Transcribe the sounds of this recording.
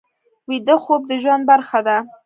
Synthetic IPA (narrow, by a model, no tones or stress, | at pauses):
wid̪əxob̚d̪əʒwand̪̚baɾxad̪a